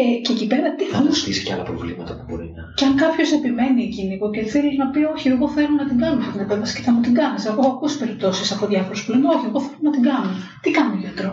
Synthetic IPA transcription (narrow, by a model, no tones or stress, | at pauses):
ce̞cipe̞ɾɐt̪iemust̪isi̥ceɐ̰lɐpɾovlimɐt̪ɐpubo̞̰ɾinɐceɐŋkɐpço̞se̞pime̞niecinipoceθeliznɐpio̞çieɣo̞θe̞lonɐt̪iŋɡɐnunefɐt̪inepevɐsi̥ceθɐmut̪iŋɡɐniseɣoɐkusi̥pe̞ɾip̚t̪o̞sisɐpo̞ðʝɐfo̞ɾesplenoçie̞ɣo̞θe̞lunɐt̪iŋɡɐnut̪ikɐnuʝɐt̪ɾo